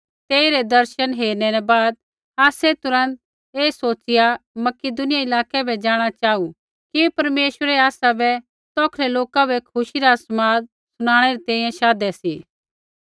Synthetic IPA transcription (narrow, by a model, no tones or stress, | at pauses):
t̪eːiɾɛd̪ɐɾʃənɦeːɾnɛɾɛbaːd̪̚ | aːsɛt̪ʊɾə̃nt̪̚ | eːsoːt͡ʃɪjamɐkɪd̪ʊnɪjaɪlaːkɛbʱɛd͡ʒaːɽ̃at͡ʃaːu | kipɐɾmeːʃwəɾɛaːsabɛ | t̪ɔːkʰlɛloːkabʱɛkʰʊʃiɾasmaːd̪̚ | sʊɽ̃aːɽ̃ɛɾit̪ɛ̃ːĩjɛ̃ʃaːd̪ɛsiː